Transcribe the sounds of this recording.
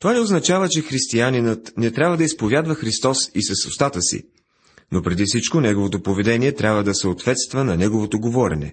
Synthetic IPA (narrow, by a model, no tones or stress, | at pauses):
t̪ovanɛoznɐt͡ʃavət͡ʃɛxɾist̪ianinət̪nɛt̪ɾʲabvəd̪ɐispovʲjad̪vəxɾist̪ɔsisɐsost̪at̪əsḭ | nopɾɛd̪ifsit͡ʃkonɛɡovot̪opovɛd̪ɛniɛt̪ɾʲʔabvəd̪ɐsəot̪vɛt̪st̪vənɐnɛɡovot̪oɡovɔɾɛ̰nɛ̰